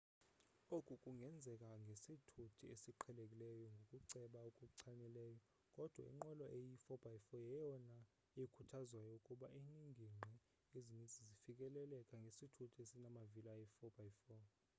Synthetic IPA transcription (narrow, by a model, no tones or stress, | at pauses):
okʼukʼuŋɡʱɛnd͡zʱɛk̬ʼaŋɡʱesitʰutʰiesiǃʰɛlekʼilɛjɔŋɡʱokʼuǀɛɓaukʼuǀʰanɛlɛːjɔ | kʼɔd̥ʱwa̰ḭŋ͡ǃɔlɔʔejifɔb̥ʱajfɔjɛjɔna | ikʰutʰazwajɔukʼuɓaʔiniŋʱiŋ͡ǃʱɛ | ezinit͡sʼizifik̬ʼɛlɛlɛkʼaŋɡʱesitʰutʰiesinamavilajifɔb̥ʱajfɔː